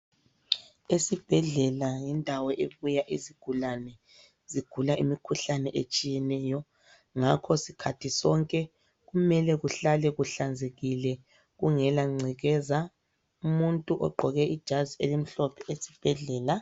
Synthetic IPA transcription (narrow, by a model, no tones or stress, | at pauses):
esib̥ʱɛɮɛlajindʱawɔʔeβujaʔiziɡ̥ʱulanɛ | ziɡ̥ʱulaʔimikʰuɬanɛʔet͡ʃʼijɛnɛːjɔ | ŋakʰɔsikʰatʰisɔŋkʼɛ | ɣumɛlɛɣuɬalɛɣuɬand͡zʱeɣilɛ | ɣuŋɛlaŋ͡ǀʱiɣɛza | umuntʼuʔɔ̰ɡ͡ǃʱɔɣɛʔid̥ʒ̥ʱazielim̩ɬɔpʰɛesi̥b̥ʱɛɮɛːla